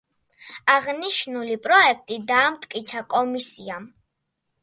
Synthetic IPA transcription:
aʁniʃnulipʼɾɔɛk̚ʰt̪ʼid̪aːmt̪ʼkʼit̪sʰakʼɔmisiam

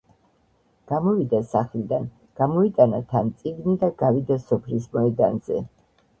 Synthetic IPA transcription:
ɡ̥amɔvid̪asaχlid̪an | ɡ̥amɔit̪ʼanat̪ʰant̪sʼiɡnid̪aɡ̥avid̪asɔpʰlismɔɛd̪a̰nzɛ̰

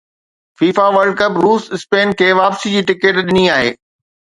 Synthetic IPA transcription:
fiːfaʋɐɾɖkɐpɾuːsɪspeːnkʰeːʋaːpsid͡ʑiːʈɪkəʈɗɪniaːɦḛː

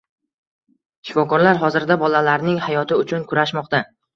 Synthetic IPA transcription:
ʃɪ̥fɒkɒɾlaɾɦɒzɪɾd̪abɒlalaɾnɪŋhajɒt̪ʰɪʊt͡ʃʰʊnkʰʊɾaʃmɒqt̪a

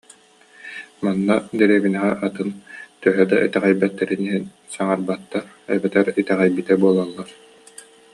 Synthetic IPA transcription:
manːad̪ɛɾiːβinɛʁɛʔat̪ɯnt̪œɦœd̪aʔit̪ɛʁɛjbɛt̪ːɛɾiniɦɛn | saŋaɾbat̪ːaɾ | ɛ̰bɛt̪ɛɾit̪ɛʁɛjbit̪ɛbuɔlˠalˠːaɾ

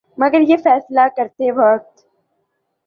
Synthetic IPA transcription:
mɐɡəɾjefɛːslakɐɾt̪eʋɐk̚t̪

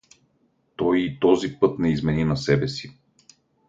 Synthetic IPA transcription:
t̪ɔjit̪ɔzipɤt̪nɛizmɛninasɛbɛsi

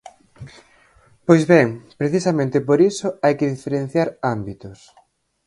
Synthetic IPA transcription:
pojzβɛŋpɾeθisamẽnt̪epoɾisoajkeðifeɾẽn̟θjaɾambit̪ʊs

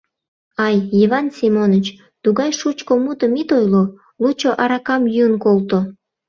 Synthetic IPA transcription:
ɑjiβɑnsʲimonət͡ɕ | t̪uɣɑjʃut͡ɕkomut̪əmit̪ojlo | lut͡ɕoʔɑɾɑkɑmjunkolt̪o

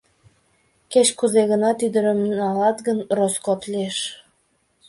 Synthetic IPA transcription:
ket͡ɕkuzeɣənɑt̪yd̪əɾəmɑlɑt̪ɣənroskot̪lieʃ

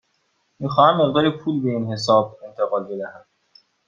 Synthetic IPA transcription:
miːxɒːhæmːe̞ɣd̪ɒːɾepʰuːlbe̞inɦe̞s̬ɒːb̚e̞nt̪ʰeɣɒːlbe̞d̪æhæn

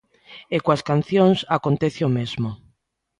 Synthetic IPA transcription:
ekwaskan̟θjõŋsakont̪eθeomezmo

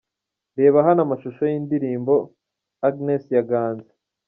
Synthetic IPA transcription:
ɾe̞ːβaɦanamaʃuʃojindiɾiːmbo̞ | aɡnesjaɡaːnze̥

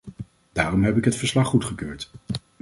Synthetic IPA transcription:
d̥aːrɔmɦɛpɪkɦətfəɹslɑχːutχəkøːɹt

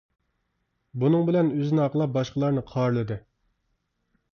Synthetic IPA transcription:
bunɨŋbɪlɛnøzɪnɪɑqəlˠɑp̚bɑʃqəlˠɑɾnɨqʰɑɾlˠɨd̪ɨ

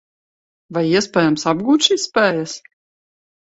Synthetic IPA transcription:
vajiɛspʲɛːjamsabɡuːt̪ʃiːsːpʲɛːjas

